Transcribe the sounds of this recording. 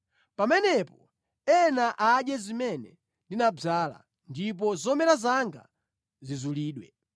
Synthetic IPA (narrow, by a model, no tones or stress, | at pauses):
pamɛnɛpɔ | ɛnaʔaɗjɛzimɛnɛ | ndinab͡ʐaːla̰ | ndip̬ɔzɔmɛɾazaŋɡa̰ | zizuliːɗwɛ